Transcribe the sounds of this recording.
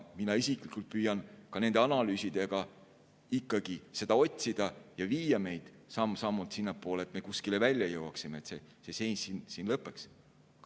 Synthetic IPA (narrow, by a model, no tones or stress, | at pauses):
minɑisikˑlikːˑult̪̚pyːjɑnkɑne̞nd̪̥ɑnɑlyːsid̪̥e̞ɡ̥ɑ | ikːˑɑɡ̥ise̞d̪̥ɑo̞t̪ʲsid̪̥ɑjɑviːjɑme̞jd̪̥sɑmsɑmːut̪sinːɑpːˑo̞ːleːt̪me̞kuskilevælʲjɑjɤwɑksime̞et̪sese̞se̞jnʲsːinsinlɤpːˑeks